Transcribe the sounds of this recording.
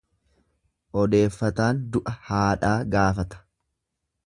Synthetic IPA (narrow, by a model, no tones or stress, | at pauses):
ʔɔd̪e̞ːfːɐt̪aːnd̪ʊʔɐhaːᶑaːɡaːfɐt̪ɐ̥